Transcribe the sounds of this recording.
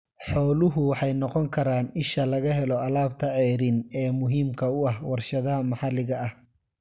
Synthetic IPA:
ħɔːlʊɦʊwɑħɑjnɔqɔŋkʰɐɾaːnɪʃɐlɐɣɐɦɛlɔɐlaːb̚t̪ʰɐʕɛːɾɪnɛːmʊɦiːmkʰɐʊɐhwɑrʃɐðɐɦɐmɑħɑlɪɣɐɐh

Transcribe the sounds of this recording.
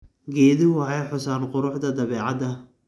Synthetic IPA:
ɡɛːðɪʕɑjħʊsaːnqʊɾʊħd̪ɐd̪ɐβɛːʕɑd̪ɐ

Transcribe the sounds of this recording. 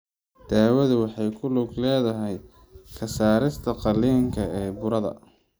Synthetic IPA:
d̪̥aːwɐðʊwɑħɑjkʰʊlʊɡlɛːðɐɦɛj | kʰɐsaːɾɪst̪ʰɐqɑliːŋkʰɐɛːbʊɾɐðɐ̰

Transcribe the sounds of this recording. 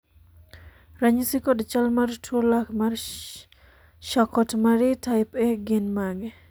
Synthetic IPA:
ɾaɲisikɔdt͡ʃalmartʰuolakmar | ʃakɔtmaɾitʰajpɛɡenmaɡe

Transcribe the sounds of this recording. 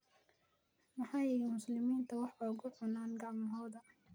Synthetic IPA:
mɑħɑːjɛmʊslɪmiːnt̪ʰɐwɑħɔɣʊʕʊnaːnɡɑʕmɐɦɔːðɐ

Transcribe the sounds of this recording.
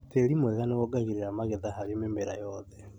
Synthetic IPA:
teɾimwɛɣaneɣɔɡaɣiɾeɾamaɣeðaɦaɾimemeɾajɔðɛ

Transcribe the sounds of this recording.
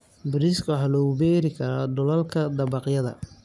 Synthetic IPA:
bɪɾɪskʰwħɑːlɔɣʊbɛːɾɪkʰɐɾɔd̪ʊlɐlkʰɐd̪ɐbɑqjɐðɐ̰

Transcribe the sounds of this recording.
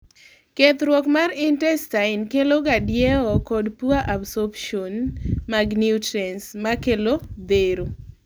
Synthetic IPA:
ket̪ɾwɔkmarɪntɛstaɪnkeloɡadjeɔkɔdpuaʔabsɔbʃonmaɡniutɾɛnsmakelod̪eɾo

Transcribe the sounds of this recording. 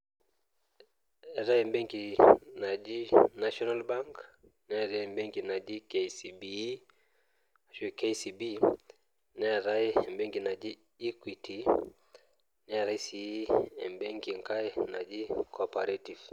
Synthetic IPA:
ɛɾaɛmbɛŋkinad͡ʒinaʃɔnalbaŋk | nɛɾambɛŋkinad͡ʒikesibi | aʃukesibi | nɛɾaiɛmbɛŋɡinad͡ʒi | ikwitʰi | nɛɾaisiiɛmbɛŋkiŋkainad͡ʒikʰɔpaɾetiv̥

